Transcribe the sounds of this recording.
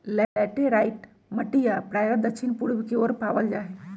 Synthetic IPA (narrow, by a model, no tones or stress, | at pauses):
lɛɛʈeɾajʈ | məʈijapɾajʋəɾd̪əkʃinpuɽʋikeoɾpaʋəld͡ʒaːɦe